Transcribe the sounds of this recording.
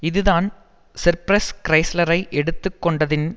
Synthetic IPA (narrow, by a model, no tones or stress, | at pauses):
ɪðɯðaːn | sɪɾpɾɐskɪɾɐɪslɐɾɐɪʔɛɽɯt̪ːɯkːɔɳɖɐðɪn